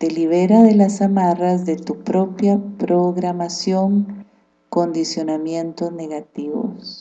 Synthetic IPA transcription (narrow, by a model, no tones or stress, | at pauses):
t̪e̞liβe̞ɾaðe̞lasamarazðe̞t̪upɾo̞pjapɾoɣɾamasjoŋ | ko̞nd̪isjo̞namje̞nt̪ozne̞ɣat̪iβo̰s